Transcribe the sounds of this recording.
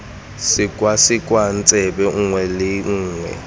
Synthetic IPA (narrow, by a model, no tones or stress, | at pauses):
sɪkʼwasɪkʼwan̩t͡sʼɛbɛŋ̩ŋwɛlɪŋ̩ːŋwɛ̰